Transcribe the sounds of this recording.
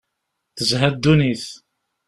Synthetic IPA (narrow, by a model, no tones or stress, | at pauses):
θəzɦæd̪ːuniθ